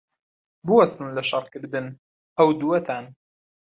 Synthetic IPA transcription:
bɨwɐst̪ɨnlɐʃɑɾkɨɾd̪ɨn | ʔɐwd̪uwɐt̪ʰaːn

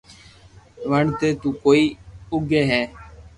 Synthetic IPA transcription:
ʋəɳt̪eːt̪uːkoːiːʊɡʱeːɦɛː

